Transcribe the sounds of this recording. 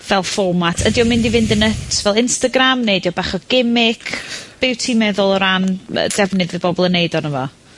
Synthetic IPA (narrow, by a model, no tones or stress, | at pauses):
vɛlˠfɔmatʰədjɔmɪndivɪndənətʰvɛlˠɪnstaɡramnejdjɔbaχɔɡ̥ɪmɪkʰb̥ɪwtʰimɛðʊlˠɔɾanə̰d̥ɛvnɨðvɪbɔbɔlˠənejdɔnəvɔ̰